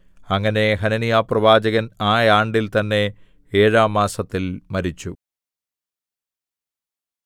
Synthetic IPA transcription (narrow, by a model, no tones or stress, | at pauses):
ɐŋːɐne̞ɦɐnɐnijaːprɐʋaːd͡ʑɐɣɐnaːjaːɳɖilt̪ɐnːe̞ | eːɻaːmːaːsɐt̪ːilmɐɾit͡ɕːu